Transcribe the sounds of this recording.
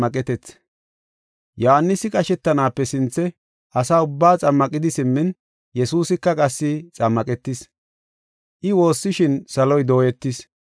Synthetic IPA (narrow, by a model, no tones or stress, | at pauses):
ɐkʼɛt̪ɛt͡s | johanːɪsɪkʼɐʃɛt̪ːɐnaːpːɛsɪnt͡sːɛ | ʔɐsaːʊbːaːt͡sʼɐmːɐkʼɪd̪ɪsɪmːɪn | jɛsuːsɪkːɐkʼɐsːɪt͡sʼɐmːɐkʼɛt̪ːɪs | ʔɪwo̞ːsːɪʃɪnsɐlɔjd̪o̞ːjɛt̪ːɪs